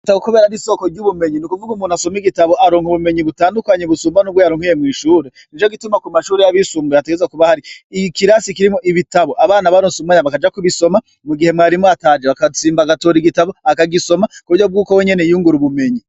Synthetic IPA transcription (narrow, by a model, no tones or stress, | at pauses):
taukuβeːɾaɾiso̞ːko̞ɾɟuβume̞ɲinukuvuɡumuːn̥aso̞miɡitaβo̞ʔaɾoːŋhuβume̞ɲiβutaːndukwaɲeβusuːmbanubɡwo̞jaɾuŋhijemwiːʃuːɾe | nit͡ʃoɡitumakumaʃuːɾejaβisuːmbejateɡezakuβahaɾikiɾasikiɾimoʔiβitaβoʔaβaːnaβaɾosuumaɲaβakad͡ʒakuβiso̞ma | muɡihe̞mwaːɾimoatad͡ʒeβakat͡siːmbaɡato̞ːɾiɡitaβoakaɡiso̞makoβuɾjob̚ɡuːko̞we̞ɲe̞nejuːŋɡuɾuβume̞ɲi